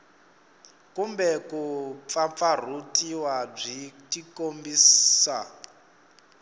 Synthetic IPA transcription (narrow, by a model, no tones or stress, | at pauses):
kumbɛkup̪fafar̤utʼiwab͡ʐitikombiːsa